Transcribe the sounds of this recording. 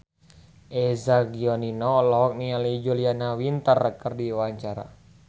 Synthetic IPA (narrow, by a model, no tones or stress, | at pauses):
ʔɛzaɡiɔninɔlɔɦɔk̚nialid͡ʒulianawint̪ərəkərdiwaɲt͡ʃaɾa̰